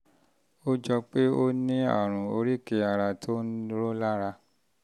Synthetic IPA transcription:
o˦d͡ʒɔ˧k͡pe˦o˦nĩ˦a̰˦˨ɾ̃ũ˨o˧ɾi˦˨ke˨a˨ɾa˧tʰo˦n̩˦ɾo˦la˦ɾa˧

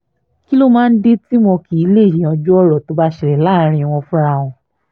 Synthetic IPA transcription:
ki˦lo˦mãː˦n̩˦de˦ti˦mɔ̃˧ki˨i˨˧˦le˦˨jĩ˨ã˧d͡ʒu˦ɔ˦ɾɔ˨to˧˦ba˦ʃɛ˨ɾɛ˨la˦˨˦ɾ̃ĩ˧w̃ɔ̃˧fũ˦ɾa˧w̃ɔ̃˧

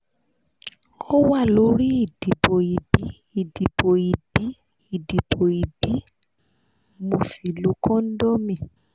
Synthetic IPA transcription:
o˦wa˦˨lo˨˦ɾi˦i˦˨d̥i˨bo˨i˨bi˨˦ | i˦˨di˨bo˨i˨b̥i˨˦ | i˦˨di˨bo˨i˨bi˦ | mũ˨fi˨lu˨˦kɔ̃˦n̩˦dɔ˦mĩ˦˨

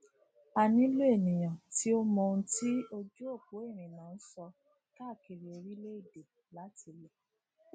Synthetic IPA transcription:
a˧nĩ˦lo˦e˦˨nĩ˨j̃ã˨ti˨˦o˦mɔ̃˧˦ti˦o˧d͡ʒu˦o˦˨k͡po˨˦e˦˨ɾ̃ĩ˨nã˨˦n̩˦sɔ˧ | ta˦˨ki˧ɾi˨o˧ɾi˦le˦i˦˨de˨ | la˨˦tʰi˧˦lɛ˨

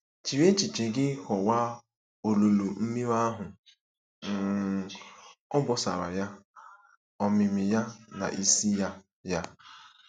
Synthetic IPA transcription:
t͡ʃi˨ɾe˦t͡ʃi˨t͡ʃe˨ɡɪ˦kɔ˨wa˦ | o˨lu˨lu˨m̩˦mi˦ɾa˦ɦʊ˨ | ɔ˦bɔ˨sa̰˨ɾa̰˨ja˦ | ɔ˨mɪ˨mɪ˨ja˦na̰˨ʔi˦si˦ja˦ | ja˦

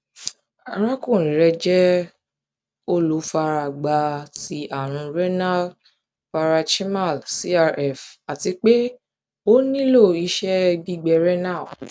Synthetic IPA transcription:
a˨ɾ̃ã˦kũ˦˨ĩ˨ɾɛ˧d͡ʒɛ˦ | o˦lo˨˧˦fa˧ɾa˧˨ɡ͡ba˨˧ti˧˦ʔa˦˨ɾ̃ũ˧ɾɛ˦na˦˨ | fa˧ɾa˧ʃi˦ma˦˨lsi˦a˧ɾɛ˦˨fa˨ti˧k͡pe˦ | o˦nĩ˦lo˦˨i˧ʃɛ˦bi˦ɡ͡bɛ˧ɾɛ˦nã˦˨

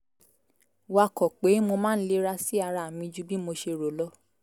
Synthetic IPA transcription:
wa˧˨kɔ˨k͡pe˨˦mo˧mãː˦n̩˦le˧˦ɾa˧si˦a˧ɾa˧˨mĩ˧d͡ʒu˦bi˦mo˧ʃe˧ɾo˨lɔ˦

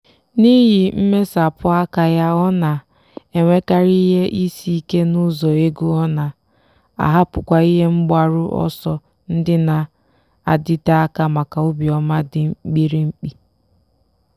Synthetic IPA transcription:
ni˦ɦi˨m̩˦me˦sa˨pʊ˦a˦ka˦ja˦ɔ˦na˨ | e˨ŋʷe˦ka˦ɾi˦ɦe˦ʔi˦si˦i˦ke˦nʊ˦zɔ˨e˦ɡu˦ɔ˦na˨ | a̰˨ɦa˦pʊ˨kʷa˦i˦ɦe˦ŋ͡m̩˦ɡ͡ba˦ɾʊ˦ʔɔ̰˦sɔ˦ | n̩˦dɪ˦na˨ | a˨dɪ˦ta˦a˦ka˦ma˨ka˨ʊ˦bi˨ɔ˨ma˦dɪ˨˦k͡pi˦ɾi˦ŋ͡m̩˦k͡pi˨

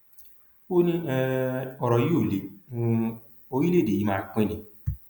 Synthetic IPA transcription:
o˦nĩ˦ɛ˧ɔ˨ɾɔ˨ji˦o˦˨lẽ˨˧ | o˧ɾi˦le˦˨e˨ji˨˦mãː˦˨k͡pẽ˧˦nĩ˨˧˦

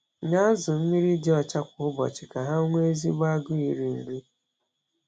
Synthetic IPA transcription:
ɲa˦zʊ˨m̩˦mi˦ɾi˦d͡ʒe˦ɔ˨t͡ʃa˦kʷʊ˨ʊ˦bɔ̰˨t͡ʃɪ˨ka˨ɦa˦o˦ŋʷe˦e˦zi˦ɡ͡ba˦ɡʊ˦i˨ɾi˨n̩˨ɾi˦

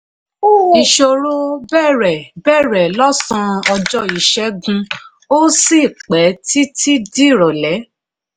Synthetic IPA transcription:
i˨ʃo˧ɾo˦bɛ˦˨ɾɛ˨bɛː˦˨ɾɛ˨lɔ˦sɔ̃˧ɔ˧d͡ʒɔ˦i˨ʃɛ˨˦ɡũ˧ | o˦si˦˨k͡pɛ˨˦ti˦ti˦di˦˨ɾɔ˨lɛ˨˦

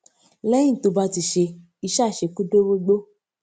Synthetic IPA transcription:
lɛ̃˦ĩ˦˨to˨˧ba˧˦ti˧ʃe˧ | i˧ʃa˦˨ʃe˨˧ku˦do˦bo˦ɡ͡bo˦

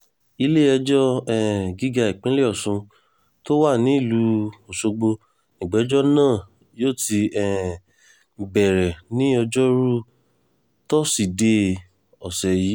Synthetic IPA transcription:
i˧le˦ɛ˧d͡ʒɔ˦ɛ˦˨ɡi˨˦ɡa˧i˨k͡pĩ˨˦le˦ɔ˦˨sũ˧ | to˦wa˦˨nĩ˨˦i˦˨lu˧o˨so˧ɡ͡bo˧ | nĩ˨ɡ͡bɛ˨˦d͡ʒɔ˦nãː˦˨ | joː˦˨ti˧ɛ˨ | bɛ˨ɾɛ˨nĩ˨˦ɔ˧d͡ʒɔ˦ɾu˦ | tɔ˦si˨de˧˦ | ɔ˨sɛ˨ji˨˦

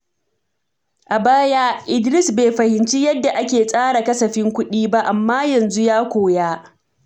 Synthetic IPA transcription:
ʔa˨baː˦jaː˦ʔɪ˦˨dɾɪ˦sbeː˨ɸɐ˨hɪ˨nt͡ʃi˦jɐ˦dːa˨ʔa˦kʲeː˨sʼaː˦ɽa˨kɐ˦sɐ˨ɸɪ˦ŋkʷʊ˦ɗiː˦ba˦ʔa˨mːaː˦jɐ˨nzu˦jaː˦kʷoː˨jaː˦

